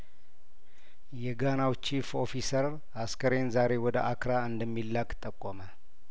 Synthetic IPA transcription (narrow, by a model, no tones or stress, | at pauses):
jɛɡanawt͡ʃifo̞fisəɾ | askəɾe̞nzaɾe̞wɔd̪ə̰ʔakɾaɨnd̪əmːilːakʼt̪ʼːəkʼːomə